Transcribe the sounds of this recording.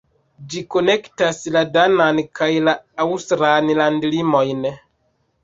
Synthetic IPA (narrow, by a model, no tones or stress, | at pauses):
d͡ʒiko̞ne̞ktasladanankajlaːwstɾallandlimo̞jn